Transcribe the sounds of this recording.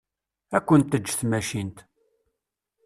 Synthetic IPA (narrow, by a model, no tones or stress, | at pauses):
ækʷːənt̪ːəd͡ʒːθmæʃint̪